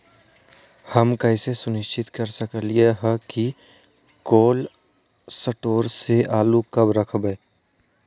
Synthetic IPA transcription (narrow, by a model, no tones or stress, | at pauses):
həmkəɪsesʊnɪʃt͡ʃʰɪt̪kəɾsəkəlieɦɛki | koːl | səʈoːɾseʔaːlukɐbɾəkʰbeː